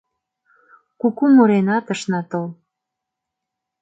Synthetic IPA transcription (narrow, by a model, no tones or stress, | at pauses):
kukumuɾenɑt̪ə̆ʃnɑt̪ol